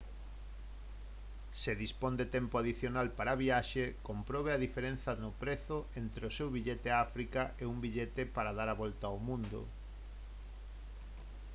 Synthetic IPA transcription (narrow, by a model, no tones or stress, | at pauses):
seðispond̪et̪empoaðiθjonalpaɾaβiaʃekompɾɔβ̞eaðifeɾẽn̟θɐnʊpɾeθʊent̪ɾeosewβiʎet̪eaafɾikaʔeumbiʎet̪epaɾaðaɾaβolt̪aomũnd̪o̰